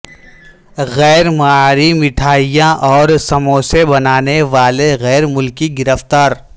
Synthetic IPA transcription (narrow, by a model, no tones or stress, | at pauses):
ɣɛːɾmaɾimɪʈʰaːɪjãʔɔːɾsɐmõsebɐnaːneʋaːleɣɛːɾmʊlkiɡɪɾəft̪aːɾ